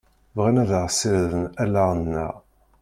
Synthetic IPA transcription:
vʁænæðəʁsiɾðənælaʁənːæ̰

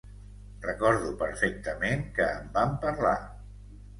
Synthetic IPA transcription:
rəkɔɾðupəɾfɛk̚t̪əmeŋkəːmbampəɾla

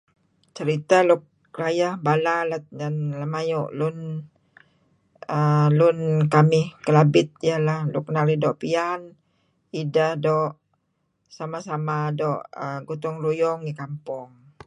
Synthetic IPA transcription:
t͡ʃəɾit̪alʊk̚ | rajahbalalat̪̚danləmajuʔlʊn | əlʊnkamɪhkəlabɪt̪̚jalahlʊk̚naɾidɔʔpian | idahdɔʔ | samasamadɔʔəɡut̪ɔŋrujɔŋikampʊŋ

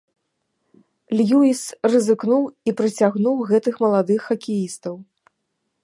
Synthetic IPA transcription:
lʲjuisrɨzɨknuwipɾɨt͡sʲaɣnuwɣɛt̪ɨxmɐlˠad̪ɨxːɐkʲijist̪ɐw

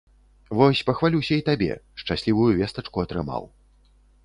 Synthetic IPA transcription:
vɔsʲpɐxvalʲiwsʲɐit̪abʲɛ̰ʂt͡ʂasʲlʲivujuvʲɛst̪ɐt͡ʂkuɐt̪ɾɨma̰w

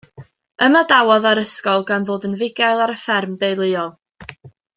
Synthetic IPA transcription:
əmadawɔðaɾəskɔlˠɡanðoːdənvɪɡajlˠaɾəfɛrmdejlˠɨɔlˠ

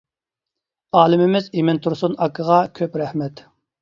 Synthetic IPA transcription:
ɑːlˠɪmɪmɪzimɪnt̪ʰuɾsunɑkʰːəʁɑkʲʰøpɾɛhmɛt̪

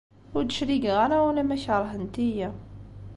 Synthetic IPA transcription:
ʊɾd̪əʃɾiɡʁaɾawælæmæʃʕɾˤɦənt̪ijæ

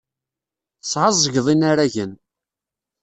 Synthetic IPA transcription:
sˤʕɑzˤːəʝðˤinaɾæʝən

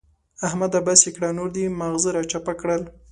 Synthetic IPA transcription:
ahmad̪abasekɽanuɾd̪imaɣzəɾɑt͡ʃapakɽəl

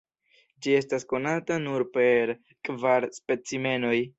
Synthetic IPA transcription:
d͡ʒie̞stasko̞natanuɾpe̞ɾ | kvaɾspe̞t͡sime̞no̞j

